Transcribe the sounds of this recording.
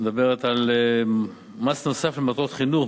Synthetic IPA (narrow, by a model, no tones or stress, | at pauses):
ed̪abeʁet̪al | masno̞saflemat̪ʁot̪χinuχ